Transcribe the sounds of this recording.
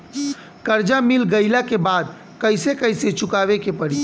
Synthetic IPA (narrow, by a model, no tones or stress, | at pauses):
kəɾd͡ʒamilɡəɪlakebad̪ | kəɪsekəɪset͡ʃʰukabekepəɽi